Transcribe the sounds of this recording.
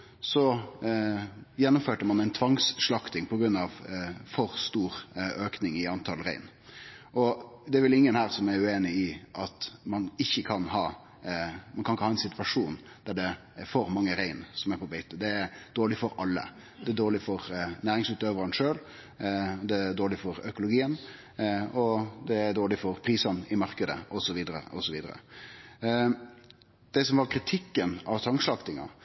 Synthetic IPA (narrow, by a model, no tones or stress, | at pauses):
sɔ | jɛnːʊmføːʈəmɑnæɪnt̪ʰʋɑŋsʂlɑkt̪ɪŋpʰɔɡɾʉnːɑʋfɔɾst̪uːɾøːknɪŋɪɑnt̪ʰɑlɾæ̰ɪn | ʔɔd̪ɛæɾʋɪlɪŋːənhæːɾsɔmæɾʉeːnɪɪʔɑt̪mɑnɪçːəkʰɑnhɑː | mɑnkɑɪkːəhɑːɛnsɪt̪ʋɑʂuːn | d̪̥æɖɛ | foːɾmɑŋːəɾæɪnsɔmæɾpʰɔbɛɪt̪əd̪ɛæɾd̪̥oːlɪfɔɾʔɑlːə̰ | d̪ɛæd̪oːɭɪfɔɾnæːɾɪŋsʉːt̪øːʋəɾɑnʂøːl | d̪ɛd̪oːɾlɪfɔɾœkʊlʊɡiːən | ɔd̪ɛæɾd̪oːɭɪfɔɾpʰɾiːsɑnɪmɑɾkəd̪əɔsɔʋiːd̪əɾə̰ʔɔsɔʋiːd̪əɾə̰ | d̪̥ɛsɔmʋɑɾkʰɾɪt̪ʰɪkːənɑʋt̪ʰɑŋʂlɑkt̪ɪŋɑ̰